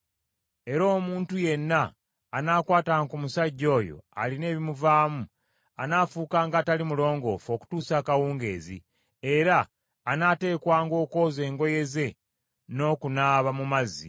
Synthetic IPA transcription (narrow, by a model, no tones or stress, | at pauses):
e̞ɾo̞ːmuːntuje̞nːaː | naːkwaːtaŋkumusaɟːo̞ːjo̞̰a̰line̞ːβimuvaːmu | a̰naːfuːkaːŋɡaːtalimulo̞ːŋɡo̞fo̞ku̥tuːsaːkawuːŋɡe̞̰ːzḭ | e̞ɾaː | nate̞ːkwaːŋɡo̞ːko̞ːze̞ːŋɡo̞je̞ze̞ | no̞ːkunaːβamumazḭ